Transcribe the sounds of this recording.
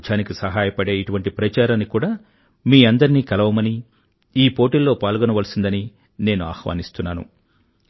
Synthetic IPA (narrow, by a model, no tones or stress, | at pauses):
t͡ʃaːnikisɐɦaːjɐpɐɽe̞ːiʈuʋɐɳʈipɾɐt͡ʃaːɾaːnːikuːɽaː | miːɐnd̪ɐɾniːkɐlɐʋɐmɐni | iːpo̞ːʈiːlːo̞ːpaːlɡɔnɐʋɐlɐsind̪ɐni | ne̞ːnua̰ːxʋa̰ːnist̪unːaːnṵ